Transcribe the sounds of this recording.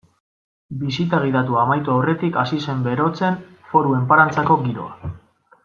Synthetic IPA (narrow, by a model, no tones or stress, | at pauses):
bisit̪aɣ̞iðat̪uamajt̪oːre̞t̪ikasise̞mbe̞ɾo̞t͡se̞nfo̞ɾue̞mpaɾant͡sako̞ɡiɾo̞̰a̰